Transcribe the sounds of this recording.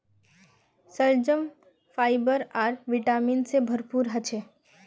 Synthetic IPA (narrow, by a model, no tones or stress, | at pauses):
səld͡ʒəm | fʰaːɪbəɾaːɾʋiʈaminsebʱəɾpuːɾɦət͡ʃʰe